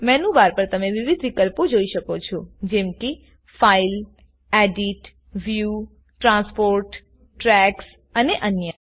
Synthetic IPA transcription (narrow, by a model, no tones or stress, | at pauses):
mɛnũʋaɾpəɾt̪əmeʋiʋid̪ʱʋikəlpod͡ʒoiʃəkot͡ʃʰod͡ʒɛmki | fail | ɛɖiʈ | ʋju | ʈɾãspoɾʈ | ʈɾɛks | əneʔənjə